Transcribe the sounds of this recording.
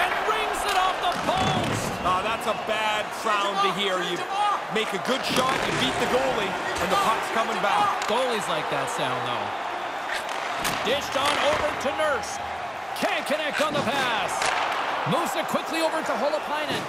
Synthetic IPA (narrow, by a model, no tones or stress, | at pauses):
ɨ̃nɹɪ̃ŋzɪɾɔfðəpʰoʊz̥ | ʌðætsəbædsãʊ̃ntɨɦiɹjɨ | meɪkɨɡʊd̥ʃɑtjɨbit̪̚ðɨɡoʊlˠi | ɨ̃nðəpʰɑtskʰʌmɪ̃ŋbakɡ̥oʊlˠizlaɪk̚ðætsãʊ̃nðo̰ʊ | d̥ɪʃdn̩oʊvə˞tʰɨnɜ˞fs | kʰæ̃nkʰɨnɛk̚tn̩ðəpʰæs | moʊsɨt̚kʰw̥ɪklioʊvə˞təɦoʊlˠəpʰãɪ̃nɨt̚